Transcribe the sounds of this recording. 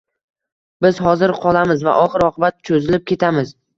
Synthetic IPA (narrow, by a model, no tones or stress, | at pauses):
bɪz̥hɒzɪɾqʰɒlˠamɪzva̰ʔɒχɨɾɒqʰɨbat̪t͡ʃʰozɪlɪp̚kʲe̞t̪ʰamɪz